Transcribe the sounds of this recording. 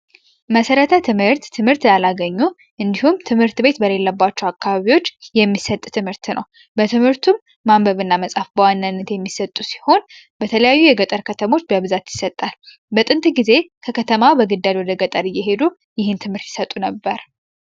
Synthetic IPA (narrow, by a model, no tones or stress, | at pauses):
məsəɾət̪ʰət̪ʰɨmhɨɾt̪ːʰɨmhɨɾt̪jalaɡəɲːu | ʔɨnd̪ihumt̪ʰɨmhɨɾt̪be̞t̪bəle̞lːəbːat͡ʃːɛwakːaβaβiwo̞t͡ʃːjɛmːisət̪ʼt̪ʰɨmhɨɾt̪nʔə̰w | bət̪ʰɨmhɨɾt̪ʰumː | ambəβɨnːaməsʼafbəwanːanːət̪jɛmːisət̪ʼːusi̥ho̞n | b̥ət̪ʰələjajːujɛɡət̪ʼəɾkʰət̪ʰəmo̞t͡ʃːbəβɨzat̪jɪsət̪ʼːal | bət̪ʼɨnt̪ʼɡize̞kʰəkʰət̪ʰəmawbəɡɨd̪ːalwɔd̪əɡət̪ʼəɾɨjːɛɦe̞d̪u | jɪhɨnt̪ʰɨmhɨɾt̪jɪ̥sət̪ʼunəbːəɾ